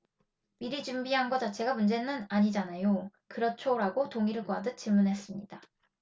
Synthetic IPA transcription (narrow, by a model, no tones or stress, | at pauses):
miɾid͡ʑumbiɦanɡʌt͡ɕat͡ɕʰe̞ɡamund͡ʑe̞nɯnaɲid͡ʑanajokɯɾʌt͡ɕʰoɾaɡotoŋiɾɯɭɡwadɯt͡ɕ͈imunɦe̞s͈ɯmɲid̥a